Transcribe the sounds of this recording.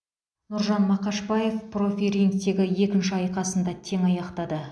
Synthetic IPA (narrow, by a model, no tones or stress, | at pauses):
nʊɾʒɑnmɑqɑʃbɑje̞fpro̞fʲiɾʲiŋkt̪e̞ɡʲɪje̞kʲɪnʃɪɑjqɑsənd̪ɑt̪ʰe̞ŋɑjɑqt̪ɑd̪ə